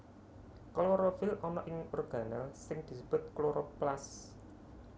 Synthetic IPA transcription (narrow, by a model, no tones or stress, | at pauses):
kloɾɔfɪlɔnɔʔɪŋɔrɡ̥a̤nalsɪŋd̪̥i̤s̬əb̥ʊ̤t̪̚kloɾɔplas